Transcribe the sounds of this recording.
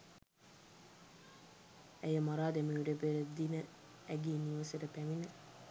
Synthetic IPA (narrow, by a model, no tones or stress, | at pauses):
ejəmaɾaːd̪emiuɖepeɾed̪inə | æɡiːniʋɐseʈəpæminə